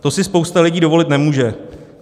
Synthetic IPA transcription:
t̪o̞sɪspowst̪alɪɟiːdovo̞lɪt̪nɛmuːʒɛ

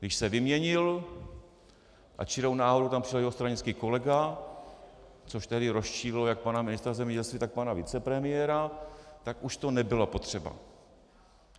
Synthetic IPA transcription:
ɡdɪʃsɛvɪmɲɛɲɪl | ʔa̰t͡ʃɪɾownaːɦoɾut̪ampr̥ɪʃljɛɦost̪ɾaɲɪnt͡skiːko̞lɛɡa | t͡soʃt̪ɛɦdɪɾo̞sʃiːɾɪlojak̚panamɪnɪst̪ɾazɛmɲɛɟɛlst̪viːt̪ak̚panavɪt͡sɛpɾɛmɪjɛɾat̪akʔuʃt̪o̞nɛbɪlapo̞t̪r̝̥ɛba̰

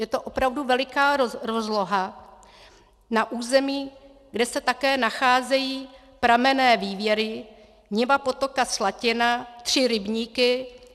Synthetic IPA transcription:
jɛt̪oʔo̞pɾavduvɛlɪkaːɾozlo̞ɦa | naʔuːzɛmiː | ɡdɛsɛt̪akɛːnaxaːzɛjiː | pɾamɛnɛːviːvjɛɾɪ | ɲɪvapo̞t̪o̞kaslacɪnat̪r̝̥ɪɾɪbɲiːkɪ

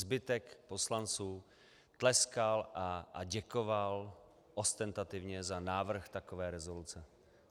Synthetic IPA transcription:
zbɪt̪ɛkpo̞slant͡suː | t̪lɛskalʔaʔaɟɛkoval | ʔost̪ɛnt̪at̪ɪvɲɛzanaːvr̩xt̪akovɛːɾɛzolut͡sɛ

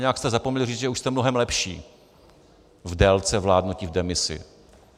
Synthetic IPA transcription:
ɲɛjakst̪ɛzapomɲɛlɪriːt͡sʒɛuʃst̪ɛmnoɦɛmlɛpʃḭː | vdɛlt͡sɛvlaːdnucɪvdɛmɪsɪ̰

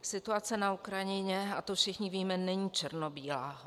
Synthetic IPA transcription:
sɪt̪uat͡sɛnaukɾajɪɲɛat̪ofʃɪxɲɪviːmɛnɛɲiːt͡ʃɛɾnobiːla̰ː

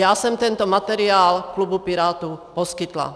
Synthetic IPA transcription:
jaːsɔmt̪ɛnt̪ɔmat̪ɛɾiaːlklubupiɾaːt̪upɔskit̪la̰

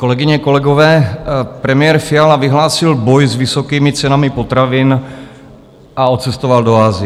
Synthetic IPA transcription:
ko̞lɛɡɪɲɛko̞lɛɡovɛːpɾɛmɪjɛːɾfɪalavɪɦlaːsɪlbo̞jzvɪso̞kiːmɪt͡sɛnamɪpo̞t̪ɾavɪn | ʔao̞t͡sɛst̪o̞valdo̞aːzɪɛ

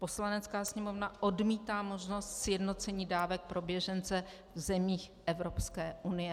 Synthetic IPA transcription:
po̞slanɛt͡skaːsɲɛmo̞vnaʔo̞dmiːt̪aːmo̞ʒno̞st̪sjɛdno̞t͡sɛɲiːdaːvɛk̚pɾo̞bjɛʒɛnt͡sɛ | vzɛmiːxʔɛvɾo̞pskɛːʔunɪjɛ

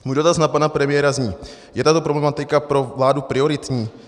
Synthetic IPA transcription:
muːjdo̞t̪asnapanapɾɛmɪjɛɾazɲiː | jɛt̪at̪o̞pɾoblɛmat̪ɪkapɾo̞vlaːdupɾɪoɾɪt̪ɲiː

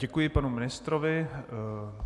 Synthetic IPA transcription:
ɟɛkujɪpanumɪnɪst̪ɾovɪ

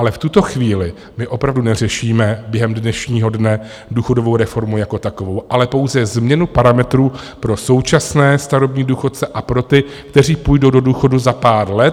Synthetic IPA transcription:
ʔalɛft̪ut̪o̞xviːlɪ | mɪʔo̞pɾavdunɛr̝ɛʃiːmɛbjɛɦɛmdnɛʃɲiːɦo̞dnɛ | duːxo̞dovo̞wɾɛfo̞ɾmujako̞t̪ako̞vo̞wʔalɛpo̞wzɛzmɲɛnupaɾamɛt̪ɾuːpɾo̞so̞wt͡ʃasnɛːst̪aɾobɲiːduːxo̞t̪̚t͡sɛʔapɾo̞t̪ɪkt̪ɛr̝iːpujdo̞wdowduːxo̞duzapaːɾlɛt̪

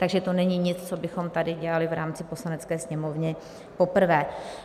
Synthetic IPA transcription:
t̪aɡʒɛt̪o̞nɛɲiɲɪt͡st͡sobɪxo̞mt̪adɪɟɛlalɪvɾaːmt͡sɪpo̞slanɛt͡skɛːsɲɛmo̞vɲɛ | po̞pr̩vɛː

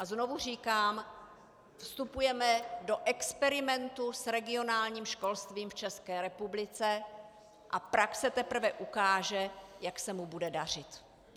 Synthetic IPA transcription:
ʔazno̞vur̝iːkaːm | fst̪upujɛmɛdo̞ʔɛkspɛɾɪmɛnt̪usɾɛɡɪo̞naːlɲiːmʃko̞lst̪viːmft͡ʃɛskɛːɾɛpublɪt͡sɛ | ʔapɾaksɛt̪ɛpr̩vɛʔukaːʒɛjaksɛmubudɛdar̝ɪt̪

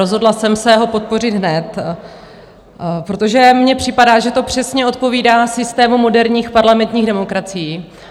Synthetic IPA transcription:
o̞zɦo̞dlasɛmsɛɦo̞po̞t̪̚po̞rɪd̪ɦnɛt̪ | pɾo̞t̪o̞ʒɛmɲɛpr̝̥ɪpadaːʒɛt̪o̞pr̝̥ɛsɲɛo̞t̪̚po̞viːdaːsɪst̪ɛːmumo̞dɛɾɲiːxpaɾlamɛnt̪ɲiːɣdɛmo̞kɾat͡sɪjiː

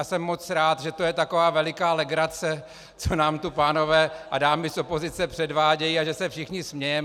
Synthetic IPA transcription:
asɛmːo̞t͡sɾaːt̪ʒɛt̪ojɛt̪ako̞vaːvɛlɪkaːlɛɡɾat͡sɛ | t͡sonaːmt̪upaːno̞vɛːʔadaːmɪsʔo̞po̞zɪt͡sɛpr̥ɛdvaːɟɛjiaʒɛsɛfʃɪxɲɪsmɲɛjɛm

